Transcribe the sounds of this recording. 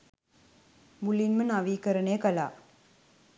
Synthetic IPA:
mulinmənaʋiːkɐɾəɳejəkɐla̰ː

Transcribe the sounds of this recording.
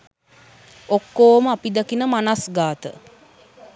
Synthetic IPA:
okːoːməapid̪akinəmanasɡaːt̪ə̰

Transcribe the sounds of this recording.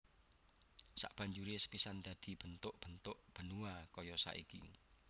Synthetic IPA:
sa̰ʔb̥a̤ɲd͡ʒuɾesə̥pisand̪ä̤d̪̥i̤b̥ənt̪ʊʔb̥ənt̪ʊʔb̥ə̤nuakɔjɔsa̰ʔḭkḭ

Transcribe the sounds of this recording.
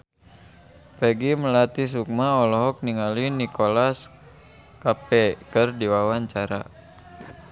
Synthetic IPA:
ɾɛɡiməlat̪is̬uk̚maɔlɔɦɔk̚niŋalinikɔlas | kapɛkərdiwawaɲt͡ʃaɾa̰

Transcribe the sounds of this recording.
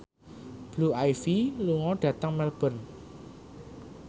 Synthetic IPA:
b̥luajfiluŋɔɖ̥ä̤t̪əŋmɛlb̥ə̤n

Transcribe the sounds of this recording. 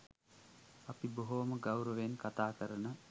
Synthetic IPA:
ɐpiboɦoməɡawɾəʋenkat̪aːkəɾənə

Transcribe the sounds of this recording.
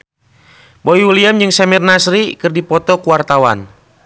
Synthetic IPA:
boiuliamd͡ʒɨŋsɛmirnasɾikɨrdipɔt̪ɔkuwart̪awa̰n

